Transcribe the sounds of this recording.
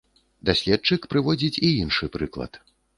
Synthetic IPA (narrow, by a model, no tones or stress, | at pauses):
d̪asʲlʲɛt̪̚t͡ʂɨkpɾɨvɔd͡zʲit͡sʲiinʂɨpɾɨklˠɐ̰t̪